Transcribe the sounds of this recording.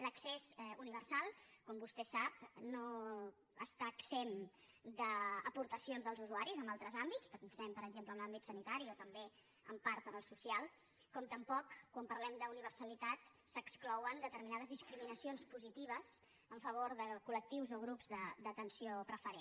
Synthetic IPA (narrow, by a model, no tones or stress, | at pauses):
ləksezuniβ̞ərsalˠkɔmbust̪ɛsap̚no | əst̪aːksem | d̪əːpuɾt̪əsionzðəlˠzuzuaɾizəmbalˠt̪ɾəzambitt͡spəɾɛsɛmpəɾəɡʒempləmlambit̪sənit̪aɾiot̪əmbe | ə̰mpaɾt̪ənəlˠsusialˠ | kɔmt̪əmpɔkːwampəɾlɛmd̪əuniβ̞ərsəlit̪at̪ | səksklɔwənd̪ət̪əɾminað̞əzðiskɾiminəsionspuzit̪iβ̞əz̥ | əɱfəβ̞oɾðəkulək̚t̪iwzoɣ̞ɾupzðəd̪ət̪ənsiopɾəfəɾe